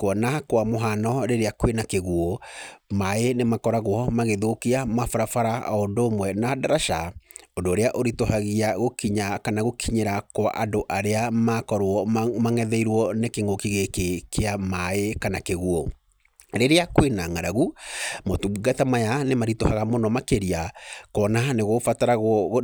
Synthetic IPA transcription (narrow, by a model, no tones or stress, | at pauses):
kwɔnakwamoɦanɔɾeɾeakwenakeɣuɔmaenemakɔɾaɣwɔmaɣeðokiamafaɾafaɾa̰ondoːmwɛnadaɾaʃaondoːɾeaʔoɾitoɦaɣiaɣokiɲakanaɣokʰiɲeɾakwa̰ʔadoʔaɾeamakɔɾwɔmaŋɛðɛiɾwɔnekeŋokiɣekekeamaekanakeɣuɔ | ɾeɾeakwenaŋaɾaɣumotuɡatamajanemaɾitohaɣamonɔmakeɾiakɔnaneɣofataɾaɣwɔ